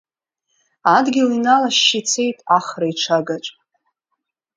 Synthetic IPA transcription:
adɡʲɪlinalaʃːit͡sʰe̞jtʼaχraiʈ͡ʂʰaɡat͡ʃʷʼ

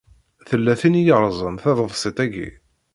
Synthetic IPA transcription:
θəlːæθinjəɾˤzˤənθæðˤəvsˤit̪æɡḭ

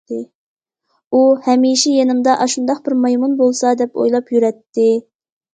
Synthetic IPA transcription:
ɪ | uhɛmiʃɛjenɪmd̪ɑʔɑʃund̪ɑqbɪɾmɑjmunbolˠsɑd̪ɛpo̰jlˠɑpjyɾɛt̪ːɪ

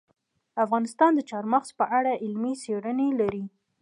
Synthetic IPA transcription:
afɣɑnɪst̪ɑnd̪ət͡ʃɑɾmaxzpəʔaɽaʔɪlmiseɽənelaɾi

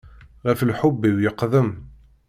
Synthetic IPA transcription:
ʁæflħʊbːiwjəqðəm

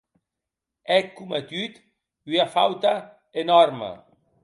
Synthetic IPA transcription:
ɛkːumat̪yt̪ | yafa̰wt̪a | enɔɾma̰

